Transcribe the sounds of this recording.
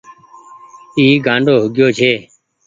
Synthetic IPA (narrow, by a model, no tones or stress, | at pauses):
iːɡʱãːɳɖoːɦʊɡjoːt͡ʃʰeː